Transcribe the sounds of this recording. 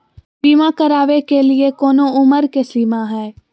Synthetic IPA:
biːmãkəɾaːʋekeliekɔːnõʊməɾkesliːmãɦɛː

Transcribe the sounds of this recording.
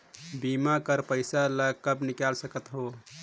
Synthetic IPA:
bimakəɾpəɪsaləkəbnikalsəkət̪ɦo

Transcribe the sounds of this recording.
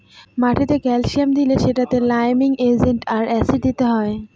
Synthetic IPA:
maʈʰit̪ekɛlʃiamd̪ileʃeʈat̪elajmiŋed͡ʑeɳʈaɾɛsiʈ̚d̪it̪eɦɔe

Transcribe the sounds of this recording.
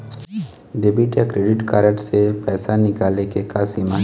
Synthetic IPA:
ɖeːbiʈjakɾeːɖɪʈkaːɾəʈsepɛːsanɪkaːlekekaːsima

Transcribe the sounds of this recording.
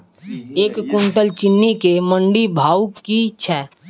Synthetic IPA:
eːkːʊɳʈəlt͡ʃɪnːikeməɳɖibʱaːukit͡ʃʰɛː

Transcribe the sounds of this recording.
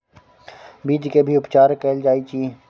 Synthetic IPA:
biːd̪kebʱiːʊpt͡ʃaːɾkeːld͡ʒaːiːt͡ʃiː

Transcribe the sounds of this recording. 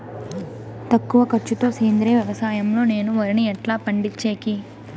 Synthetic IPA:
t̪ɐkːuʋɐkɐɾt͡ʃːut̪o̞ːseːnd̪ɾeːʋjɐʋɐsaːjɐmlo̞ːne̞ːnuʋɐɾiniɛʈlaːpɐɳɖit͡ʃːeːki

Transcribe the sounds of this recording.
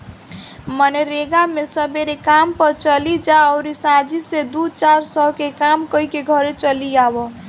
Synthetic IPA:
mʌneɾeɡamesʌbeɾekampəɾt͡ʃʌlid͡ʒaʌwɾisãd͡ʒised̪ut͡ʃaɾsʌkekamkʌikeɡʱʌɾet͡ʃʌliabɔ

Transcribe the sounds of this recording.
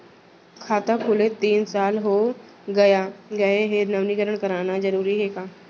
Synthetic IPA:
kʰaːt̪akʰʊːlet̪iːnsaːlɦo | ɡɐjaɡɐeɦenɐʋnikəɾəɽ̃kɐɾaːnazɐɾuːɾiɦeːkaː

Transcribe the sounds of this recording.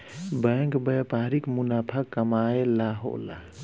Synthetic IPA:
bəŋkbəjpaɾikmunaːpʰakːəmaelaɦo̰la̰

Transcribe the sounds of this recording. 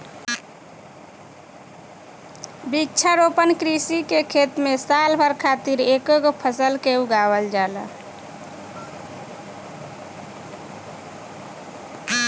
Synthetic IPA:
bitːt͡ʃʰəɾopənkɾisikekʰet̪mesalbʱəɾkʰat̪iɾekoɡopʰəsəlkeuɡabəld͡ʒalə̰

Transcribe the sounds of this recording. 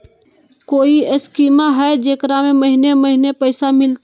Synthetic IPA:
koːiəskiːmaɦɛd͡ʒekɾameməɦineməɦinepəɪsamɪlt̪

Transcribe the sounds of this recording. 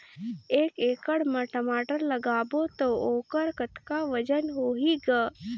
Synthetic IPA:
eːkeːkəɽmɐʈɐmaːʈəɾlɐɡaːbot̪ooːkəɾkət̪kaʋɐd͡ʒənɦoːɦiɡa

